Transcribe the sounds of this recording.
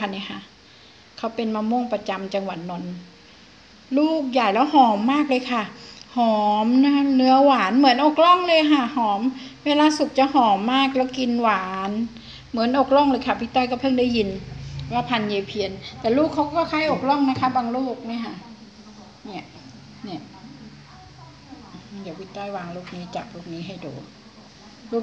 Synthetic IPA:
a˧˨nːi˧˥˩kʰa˧˥ | kʰa˧˥wpe˧nmaː˧mo˧˥˨ŋpa˧t͡ɕa˧mt͡ɕa˧ŋwa˨˩t̪̚nɔ˧n | luː˥˩k̚jaː˨˩jlɛː˧˦˥whɔː˨˩˦mːaː˥˩k̚lɤː˧jkʰa˧˥˩hɔː˨˩˦mna˧˥nɯ˧˦ɐwaː˩˦nmɯ˩˦ənʔo˨˩k̚lɔ˥˩ŋlɤː˧jkʰa˧˩hɔː˩˦mweː˧laː˧su˨˩k̚t͡ɕa˧˦hɔː˨˩˦mːaː˥˩k̚lɛː˦˥˩wki˧nwaː˩˦n | mɯ˩˦nʔoː˨˩k̚lɔ˧˩˨ŋlɤː˧jkʰa˧˩wi˧˥˩t̪ɔː˧˥˩jkɔː˥˩pʰɤ˥˩ŋdaː˥˩ji˧n˧waː˧˩pʰa˧nja˧˩pʰi˧ənt̪ɛː˨˩luː˥˩kʰːa˧˥wkɔː˥˩kʰaː˧˥˩jʔoː˨˩k̚lɔ˧˥˩ŋna˦˥kʰa˦˥baː˧ŋluː˥˩k̚na˧˥˩kʰa˧˥˩ | ni˧˩ə | ni˧˩ə | di˨˦wi˧˥˩t̪ɔː˧˩jwaː˧ŋluː˥˩k̚niː˦˥t͡ɕa˨˩p̚luː˥˩k̚niː˦˥ɦa˧˥˩jdo̰ː˨˦ | luː˥˩

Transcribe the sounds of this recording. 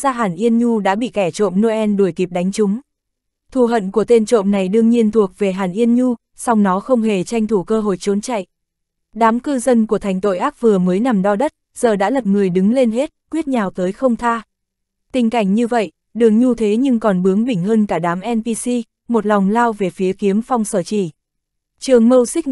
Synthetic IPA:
zaː˧ɦaː˧˩nʔi˧ənɲu˧ɗa̰ː˧˥ɓḭ˧˨kɛ˧˩t͡ɕo̰˧˨mno˧ʔɛ˧nɗu˧˩jki˨˩p̚ɗa˨˦jŋ̟t͡ɕʊ˨˦ŋ͡m | t̪ʰu˧˩ɦə̰˧˨nku˧˩ət̪e˧nt͡ɕo̰˧˨mna˨˩jɗɨ˧əŋɲi˧ənt̪ʰu˨˩ək̚ve˨˩ɦaː˨˩nʔi˧ənɲu˧ | sa˧wŋ͡mnɔ˨˦xə˧wŋ͡mɦe˨˩t͡ɕa˧jŋ̟t̪ʰu˧˩kəː˧ɦo̰˧˨jt͡ɕo˨˦nt͡ɕa̰˧˨jʔ | ɗaː˨˦mkɨ˧zə˧nku˧˩ət̪ʰa˨˩jŋ̟t̪o̰˧˨jʔaː˦˥k̚vɨ˨˩əməː˨˦jna˨˩mɗɔ˧ɗə˦˥t̚ | z̥əː˨˩ɗa̰ː˧˥lə˨˩p̚ŋɨ˨˩əjɗɨ˨˦ŋle˧nɦe˦˥t̚kwi˦˥t̚ɲaː˨˩wt̪əː˨˦jxə˧wŋ͡mt̪ʰaː˧ | t̪ï˨˩ŋ̟ka˧˩jŋ̟ɲɨ˧və̰˧˨j | ɗɨ˨˩əŋ̚ɲu˧t̪ʰe˨˦ɲɨ˧ŋkɔ˨˩nɓɨ˨˦əŋɓï˧˩ŋ̟həː˧nkaː˧˩ɗaː˨˦mʔɛ˧npi˧si˧ | mo˨˩t̚lɔ˨˩wŋ͡mlaː˧wve˨˩fi˨˦əki˨˦əmfɔ˧wŋ͡msəː˧˩t͡ɕḭ˧˩ | t͡ɕɨ˨˩əŋmə˧wsï˦˥k̚

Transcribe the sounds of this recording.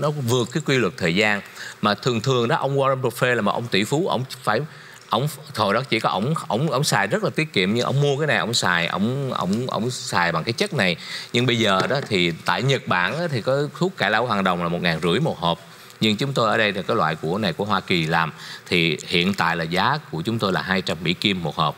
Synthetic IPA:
nɔ˨˦vɨ˨˩əkːaː˨˦jkwi˧lwə˨˩t̚t̪ʰəː˨˩jzaː˧nmaː˨˩t̪ʰɨ˨˩əŋt̪ʰɨ˨˩əŋɗɔ˨˦ʔə˧wŋ͡mwaː˧ə˧no˨˧˩t̚fe˧laː˨˩ma̰˨˩ʔə˧wŋ͡mt̪ḭ˧˩fu˨˦ʔə̰˧˩wŋ͡mfaː˧˩j | ʔə˧wŋ͡mt̪ʰo˨˩jɗɔ˨˦t͡ɕi˧˩kɔ˨˦ʔə˧˩wŋ͡mʔə̰˧˩wŋ͡mʔə˧wŋ͡msaː˨˩jzə˦˥t̚laː˨˩t̪i˦˥ət̚kḭ˧˨əmɲɨ˧ŋʔə̰˧wŋ͡mmu˧əkaː˨˦jna˨˩jʔə̰˧˩wŋ͡msaː˨˩jʔə̰˧˩wŋ͡mʔə̰˧˩wŋ͡mʔə̰˧˩wŋ͡msaː˨˩jɓa˨˩ŋkaː˨˦jt͡ɕə˦˥t̚na˨˩jɲɨ˧ŋɓə˧jzəː˨˩ɗɔ˨˦t̪ʰi˨˩t̪a̰ː˧˨jɲə˨˩t̚ɓa̰ː˧˩nʔaː˨˦t̪ʰi˨˩kɔ˨˦t̪ʰu˦˥k̚ka˧˩laː˧whwaː˨˩nɗə˨˩wŋ͡mlaː˨˩mo˨˩t̚ŋaː˨˩nzɨ̰˧˩əjmo˨˩t̚hə˨˩p̚ | ɲɨ˧ŋt͡ɕʊ˨˦ŋ͡mt̪o˧jʔəː˧˩ɗə˧jt̪ʰi˨˩kaː˨˦jlwa̰ː˧˨jku˧˩əna˨˩jku˧˩əɦwaː˧ki˨˩laː˨˩mt̪ʰi˨˩hḭ˧˨ənt̪a̰ː˧˨jlaː˨˩zaː˨˦ku˧˩ət͡ɕʊ˨˦ŋ͡mt̪o˧jlaː˨˩ɦaː˧jt͡ɕa˧mːḭ˧˥ki˧əmːo˨˩t̚həː˨˩p̚

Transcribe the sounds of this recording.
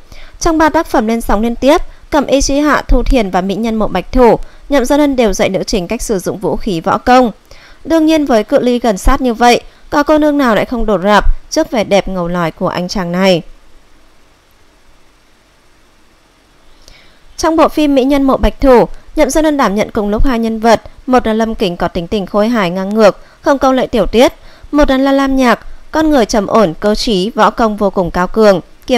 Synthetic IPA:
t͡ɕɔ˧wŋ͡mɓaː˧t̪aː˦˥k̚fə˧˩mle˧nsa˨˦ŋ͡mli˧ənt̪i˦˥əp̚ | kə˧˩mʔi˧t͡ɕi˧ɦa̰ː˧˨t̪ʰu˧t̪ʰi˨˩ənvaː˨˩mḭ˧˥ɲə˧nmo̰˧˨ɓa˨˩jk̟̚t̪ʰu˧˩ɲə̰˧˨mzaː˧nə˧nɗe˨˩wzə̰˧˨jnɨ̰˧˥t͡ɕï˨˩ŋ̟ka˦˥jk̟̚sɨ˧˩zʊ̰˧˨ŋ͡mvṵ˧˥xi˨˦vɔ̰˧˥kə˧wŋ͡m | ɗɨ˧əŋɲi˧ənvəː˨˦jkɨ̰˧˨li˧ɣə˨˩nsaː˦˥t̚ɲɨ˧və̰˧˨jʔkɔ˨˦kə˧nɨ˧əŋnaː˨˩wla̰ː˧˥jxə˧wŋ͡mɗo˨˩t̚zaː˨˩p̚t͡ɕɨ˦˥ək̚vɛ˨˩ɗɛ˨˩p̚ŋə˨˩wlɔ˨˩jku˧˩əʔa˧jŋ̟t͡ɕaː˨˩ŋna˨˩j | t͡ɕɔ˧wŋ͡mɓo̰˧˨fi˧mːḭ˧˥ɲə˧nmo̰˧˨ɓa˨˩jk̟̚t̪ʰu˧˩ɲə̰˧˨mzaː˧ləː˧nɗaː˧˩mɲə̰˧˨nkʊ˨˩ŋ͡mlʊ˦˥k͡p̚haː˧jɲə˧nvə˨˩t̚mo˨˩t̚laː˨˩lə˧mkï˨˦ŋ̟kɔ˨˦t̪ï˨˦ŋt̪ï˨˩ŋ̟xo˧jɦaː˧˩jŋaː˧ŋŋɨ˨˩ək̚ | xə˧wŋ͡mkə˧wlə̰ː˧˨jt̪i˧˩əwt̪i˦˥ət̚mo˨˩t̚na˨˩laː˨˩laː˧mɲaː˨˩k̚kɔ˧nŋɨ˨˩əjt͡ɕə˨˧˩mʔo˧˩nkəː˧t͡ɕi˨˦vɔ̰˧˥kə˧˩wŋ͡mvo˧kʊ˨˩ŋ͡mkaː˧wkɨ˨˩əŋ˧˩

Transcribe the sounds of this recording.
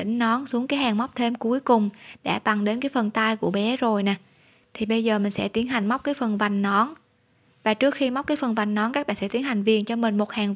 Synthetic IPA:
ḭ̈˧˩ŋ̟nɔ˨˦nsu˨˦əŋkaː˨˦jɦaː˨˩ŋma˦˥k͡p̚t̪ʰe˧mku˨˦jkʊ˨˩ŋ͡mɗa̰ː˧˥˩ɓa˨˩ŋɗe˨˦nkaː˨˦jfə˨˩nt̪aː˧jku˧˩əɓɛ˨˦zo˨˩jnaː˨˩ | t̪ʰi˨˩ɓə˧jzəː˨˩mï˨˩ŋsɛ̰˧˥t̪i˨˦ənɦa˨˩jŋ̟ma˦˥k͡p̚kaː˨˦jfə˨˩nva˨˩jŋ̟nɔ˨˦n | vaː˨˩t͡ɕɨ˦˥ək̚xi˧ma˦˥k͡p̚kaː˨˦jfə˨˩nva˨˩jŋ̟nɔ˨˦nkaː˦˥k̚ɓa̰ː˧˨nsɛ˧˥t̪i˨˦ənha˨˩jŋ̟vi˨˩ənt͡ɕɔ˧mï˨˩ŋ̟mo˨˩t̚haː˨˩ŋ

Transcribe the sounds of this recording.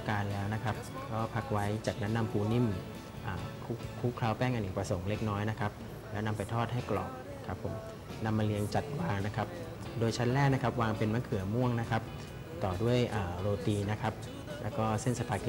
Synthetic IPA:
kaː˧nlɛː˦˥wna˦˥kʰa˦˥p̚kʰɔː˦˥˩pʰa˦˥k̚wa˦˥jt͡ɕaː˨˩k̚nɛ˦˥na˧mpʰuː˧ni˥˩˨m | ʔaː˨˩kʰu˦˥kʰːu˦˥kʰlaː˦˥wpɛː˥˩ŋʔa˧nʔi˨˩kpɾa˧so˩˦ŋle˦˥k̚nɔː˦˥jna˦˥kʰa˦˥p̚ | lɛː˦˥wna˧mpa˧jt̪ʰɔː˥˩t̪̚ha˥˩jklɔ̰ː˨˩p̚na˦˥kʰa˦˥pʰːo˩˦m | na˧mːa˧li˧əŋt͡ɕa˨˩t̪̚waː˧ŋna˦˥kʰa˦˥p̚ | doː˧jt͡ɕʰa˦˥nlɛː˥k̚na˦˥kʰa˦˥p̚waː˧ŋpe˧nma˦˥kʰɯ˨˩˦mu˥˩əŋna˦˥kʰa˦˥p̚ | t̪ɔː˨˩du˥˩əjʔaː˨˩ɾoː˧t̪iː˧na˦˥kʰa˦˥p̚ | lɛː˦˥wkɔː˥˩se˥˩nsa˧pʰa˨˩k

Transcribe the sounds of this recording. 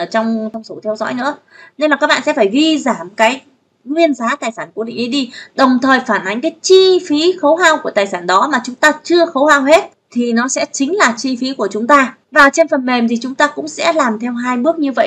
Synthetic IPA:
əː˧˩t͡ɕɔ˧wŋ͡mt̪wŋ͡mso˨˦t̪ʰɛ˧wzɔ̰˧˥jnɨ̰˧˥ə | ne˧nlaː˨˩kaː˦˥k̚ɓ̰ːsɛ̰˧˥faː˧˩jvi˧zaː˧˩mkaː˨˦j | ŋwi˧ənzaː˨˦t̪aː˨˩jsaː˧˩nku˧˩ɗḭ˧˨ŋ̟ʔi˨˦ɗi˧ɗə˨˩wŋ͡mt̪ʰəː˨˩jfaː˧˩nʔa˨˦ŋ̟kaː˨˦jt͡ɕi˧fi˨˦xə˨˦wɦaː˧wku˧˩ət̪aː˨˩jsaː˧˩nɗɔ˨˦maː˨˩t͡ɕʊ˨˦ŋ͡mt̪aː˧t͡ɕɨ˧əxə˨˦whaː˧˩wɦe˦˥t̚ | t̪ʰi˨˩nɔ˨˦sɛ̰˧˥t͡ɕï˨˦ŋ̟laː˨˩t͡ɕi˧fi˨˦ku˧˩ət͡ɕʊ˨˦ŋ͡mt̪aː˧ | vaː˨˩wt͡ɕe˧nfə˨˩nme˨˩mt̪ʰi˨˩t͡ɕʊ˨˦ŋ͡mt̪aː˧kʊ̰˧˥ŋ͡msɛ̰˧˥laː˨˩mt̪ʰɛ˧wɦaː˧jɓɨ˦˥ək̚ɲɨ˧və̰˧˨j

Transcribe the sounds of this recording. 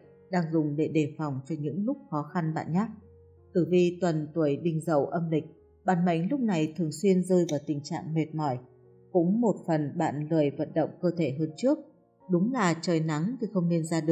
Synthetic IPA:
ɗaː˧ŋzʊ˨˩ŋ͡mɗe˧˩ɗe˧˩fa˨˩wŋ͡mt͡ɕɔ˧˩ɲɨ̰˧˥ŋlʊ˦˥k͡p̚xɔ˨˦xa˧nɓa̰ː˧˨nɲaː˦˥k̚ | t̪ɨ˧˩vi˧t̪wə˨˩nt̪u˧˩əjɗï˧˩ŋ̟zə̰˧˩wʔə˧mlï˨˩k̟̚ | ɓa̰ː˧˨nma̰˧˥jŋ̟lʊ˦˥k͡p̚na˨˩jt̪ʰɨ˨˩əŋswi˧ənzəː˧jvaː˨˩wt̪ï˨˩ŋ̟t͡ɕa̰ː˧˨ŋme˨˩t̚mɔ˧˩j | kʊ̰˧˥ŋ͡mmo˨˩t̚fə˨˩nɓa̰ː˧˨nlɨ˨˩əjvə̰˧˨nɗə̰˧˨wŋ͡mkəː˧t̪ʰe˧˩ɦəː˧nt͡ɕɨ˦˥ək̚ | ɗʊ˨˦ŋ͡mlaː˨˩t͡ɕəː˨˩jna˨˦ŋt̪ʰi˨˩xə˧wŋ͡mne˧nzaː˧ɗɨ˨˩ə

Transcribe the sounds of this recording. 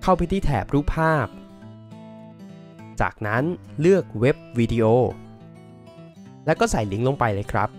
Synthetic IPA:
kʰa˥˩wpa˧jt̪ʰiː˥˩t̪ʰɛ̰ː˩˦p̚ɾuː˥˩pʰːaː˥˩p̚ | t͡ɕa̰ː˨˩k̚na˦˥nlɯ˥˩ək̚we˦˥p̚wiː˧di˧ʔoː˧˩ | lɛ˦˥wkɔː˥˩sa˩˦jli˦ŋlo˧ŋpa˧jlɤː˦˥jkʰɾa̰˦˥p̚

